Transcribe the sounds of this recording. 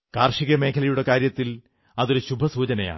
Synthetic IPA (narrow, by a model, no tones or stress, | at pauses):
kaːrʂiɣɐme̞ːkʰɐlɐjuɽe̞kaːɾjɐt̪ːil | ɐðo̞ɾuɕubʱɐsuːt͡ɕɐnɐja̰ːɳ